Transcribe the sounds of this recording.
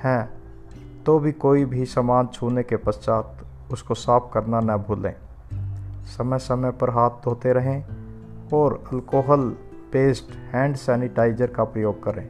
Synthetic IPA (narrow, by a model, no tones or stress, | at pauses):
hɛ̃ː | t̪obʱikoːibʱisəmaːnt͡ʃʰuːnekepəst͡ʃaːt̪ | ʊskosaːp̚kəɾnanɐbʱuːlḛ̃ː | səməjsəməjpəɾɦaːt̪̚ʰd̪ʱoːt̪eɾəɦẽ | ɔːɾəlkoːɦəl | peːsʈhɛ̃ːɳɖsɛːnɪʈaːɪzəɾkapɾəjoːɡ̚kəɾḛ̃ː